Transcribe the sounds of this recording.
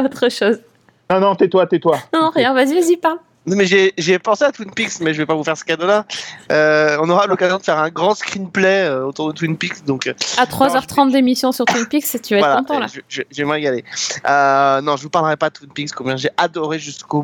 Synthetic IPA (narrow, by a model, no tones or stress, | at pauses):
ot̪χəʃoz | nɔ̃nɔ̃t̪yɛt̪wat̪yɛt̪wanɔ̃ñʁjɛ̃vazivazipaʁl | nɔ̃mɛʒeʒepɑ̃seat̪winpiksmɛʒəvɛpavufɛʁsə̥kad̪olaøɔ̃nɔʁalɔkazjɔ̃d̪əfɛʁɛ̃ɡʁɑ̃skχinplɛøot̪uʁd̪ət̪winpiksd̪ɔ̃kat̪χwazzœʁt̪χɑ̃t̪̚d̪emisjɔ̃syʁt̪winpikst̪yvaɛtvwalãt̪ɑ̃la̰ʒʒɛʒəvɛməʁeɡaleønɔ̃ʒəvupaʁləʁɛpad̪ət̪winpikskɔ̃bjɛ̃ʒeʔad̪ɔʁeʒysko